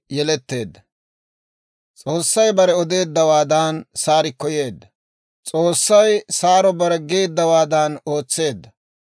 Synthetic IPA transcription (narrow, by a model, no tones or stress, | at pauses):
jɛlɛt̪ːe̞ːd̪ːɐ | t͡sʼo̞ːsːɐjbɐɾɛɔd̪e̞ːd̪ːɐwaːd̪aːnsaːɾɪkːɔje̞ːd̪ːɐ | t͡sʼo̞ːsːɐjsaːɾɔbɐɾɛɡeːd̪ːɐwaːd̪aːno̞ːt͡sːe̞ːd̪ːɐ